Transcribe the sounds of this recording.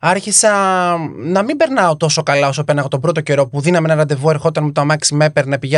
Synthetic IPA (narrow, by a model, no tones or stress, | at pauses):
ɐɾçisɐ | nɐmimbe̞ɾnɐo̞t̪o̞so̞kɐlɐo̞sopenɐpo̞t̪o̞bɾo̞t̪oce̞ɾo̞puðinɐmenɐɾɐnd̪e̞vue̞ɾxo̞t̪ɐnmet̪oɐmɐksimepeɾnɐpiʝe